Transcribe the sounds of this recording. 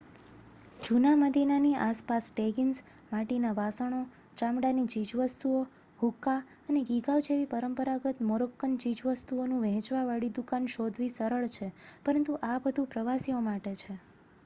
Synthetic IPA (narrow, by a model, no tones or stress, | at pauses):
d͡ʒunaməd̪ʱinaniʔaspasʈeɡins | maʈinaʋasəɳ̃o | t͡ʃamɽanit͡ʃid͡ʒʋəst̪uo | hukːa | əneɡiɡaʋd͡ʒeʋipəɾəmpəɾaɡət̪mɔɾokːənt͡ʃid͡ʒʋəst̪uonũʋɛ̃ɦt͡ʃʋaʋaɽid̪ukanʃod̪ʱʋisəɾəɭt͡ʃʰepəɾənt̪uʔabəd̪ʱũpɾəʋasiomaʈet͡ʃʰe